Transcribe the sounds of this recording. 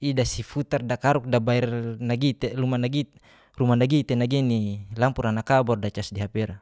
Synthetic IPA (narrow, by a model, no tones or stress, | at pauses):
idasifut̪ardakaɾuk̚dabaɛrnaɡit̪elumanaɡit̪ | rumanaɡit̪enaɡinilampuɾanakabɔrdat͡ʃasdiɦapeɾa